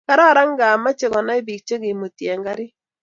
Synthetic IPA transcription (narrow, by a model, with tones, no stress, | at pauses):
ka˦ɾa˦˨ɾa˦ŋ˦ɡa˨ma˦t͡ʃe˨kɔ˨na˦ɪ˦bi˨k̚t͡ʃe˦kɪ˨mo˨tjɛ˨ŋɡa˦ɾɪ˦